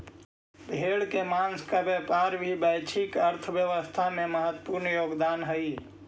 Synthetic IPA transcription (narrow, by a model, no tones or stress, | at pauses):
bʱeɽkemanskabɛpaːɾbʱibɛɪt͡ʃʰikəɾt̪ʰʋjəʋəst̪ʰamẽməɦət̪ːpuɾnjoːɡd̪aːnɦəi